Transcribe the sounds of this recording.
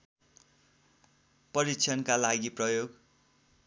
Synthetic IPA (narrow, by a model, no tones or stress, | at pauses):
pʌɾikt͡sʰʌnkalaɡiprʌjoɡ